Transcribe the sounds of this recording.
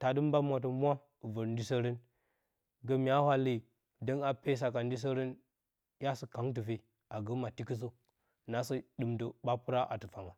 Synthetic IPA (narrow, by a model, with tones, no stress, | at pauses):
ta˨də˦m˦ba˦mʷa˨tə˨mʷ˦a˦˨ | və˨ɾn˦di˦sə˦ɾə˦n | ɡə˦mi˨a˦hʷwa˦li˨ | də˦na˨pe˦s̬a˨ka˨n˦di˦s̬ə˦ɾə˦n˦ | ja˦sə˨ka˨˦ŋt̬ə˨fe˦˨ | a˨ɡə˦ma˨ti˦kə˦s̬ə˦ | na˨sə˦ɗɨ˨mdə˨ɓa˦pu˦ɾa˦ʔa̰˨tə˨fa˨ŋa˨